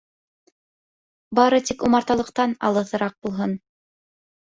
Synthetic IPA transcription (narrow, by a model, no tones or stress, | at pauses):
bɑɾɤt̪ikumɑɾt̪ɑlˠɤ̆qt̪ɑnɑ̰lˠɤ̆θɤ̆ɾɑq̚bulˠɦon